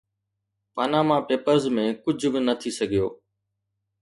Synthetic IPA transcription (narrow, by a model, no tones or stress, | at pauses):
paːnaːmãːpeːpəɾzmẽːkʊd͡ʑʱbɪnət̪ʰisəɡʱijo̰ː